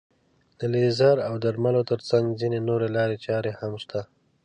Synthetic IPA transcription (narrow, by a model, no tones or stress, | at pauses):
d̪̥əlezaɾawd̪aɾmalot̪əɾt͡saŋɡzinenoɾelɑɾet͡ʃɑɾehamʃt̪a